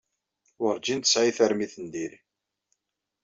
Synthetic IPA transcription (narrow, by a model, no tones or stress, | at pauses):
əɾd͡ʒint̪əsʕiθæɾmiθənd̪iɾ